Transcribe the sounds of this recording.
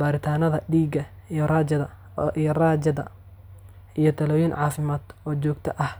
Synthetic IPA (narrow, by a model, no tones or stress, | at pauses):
b̥aːɾɪt̪ʰaːnɐðɐɖiːɡɐ | jraːd͡ʒɐðɐ | ijraːd͡ʒɐðɐ̰ | ʔijɞt̪ʰɐlɔːjɪnʕɑːfɪmaːd̪ɔːt͡ʃɔːɡt̪ʰɐʔɐh